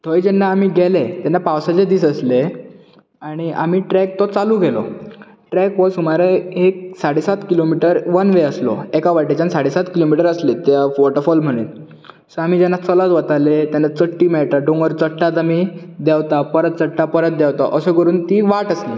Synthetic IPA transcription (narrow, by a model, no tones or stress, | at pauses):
t̪ʰojd͡ʑɛnːaːm̤iːɡʱelet̪janːapawsat͡ɕed̪iːsəsle | aɽ̃ia̰miːʈɾɛk̚t̪ɔt͡salũɡʱelɔ̰ | ʈɾɛkʋəsɦumaɾeeksaɽesat̪kilomiʈəɾʋənʋeəslɔ̰ekaʋaʈet͡ɕansaɽesat̪kilomiʈəɾəslet̪jafʋɔʈəɾfɔlm̤əɽ̃ḭːt̪ | səam̤id͡ʑɛnːat͡sɔlat͡sʋət̪alet̪janːat͡səʈːiːmɛɭt̪aɖoŋɡəɾt͡səʈʈat̪̬amid̪ɛwt̪apəɾət̪̚t͡səʈʈapəɾət̪̚d̪ɛwt̪aʔəsekəɾuːnt̪iːʋaʈəslḭ